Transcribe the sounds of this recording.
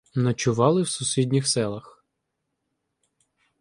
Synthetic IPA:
nɐt͡ʃʊʋɑlˠɪwsʊsʲid̪ʲnʲixsɛlˠɐx

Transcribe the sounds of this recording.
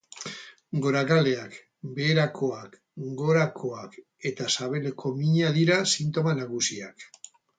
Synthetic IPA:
ɡo̞ɾakale̞ak | be̞ːɾakʰoak | ɡo̞ɾakʰo̞ak | e̞t̪asaβe̞le̞kʰo̞miɲaðiɾasint̪o̞manaɣ̞usia̰k

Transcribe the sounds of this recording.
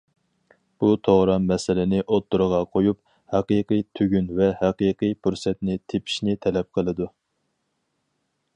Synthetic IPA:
b̥ut̪ʰoʁɾɑmmɛsɪlɪnɪʔot̪ːuɾəʁɑqʰojup | hæqɨqɨjt̪ʰøɡʲynvɛhæqiqɨjpʰuɾsɛt̪nɪt̪ʰepʰi̥ʃnɪt̪ʰɛlɛp̚qʰəlˠɨd̪u

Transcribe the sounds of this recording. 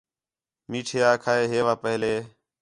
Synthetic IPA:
miːʈʰeːaːkʰaːeːɦeːʋaːpəɦleː

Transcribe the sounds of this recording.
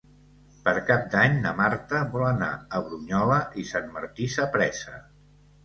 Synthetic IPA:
pəɾkap̚d̪aɲnəmaɾt̪əβɔləna̰əβɾuɲɔləʔisanmə̰ɾt̪isəpɾɛsə̰

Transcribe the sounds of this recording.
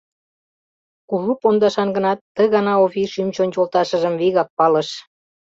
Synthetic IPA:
kuβupond̪ɑʃɑnɡə̆nɑt̪ːəɣɑnɑoβiʃymt͡ɕonʲt͡ɕolˠt̪ɑʃə̆ʒə̆mviɣɑk̚pɑlə̆ʃ

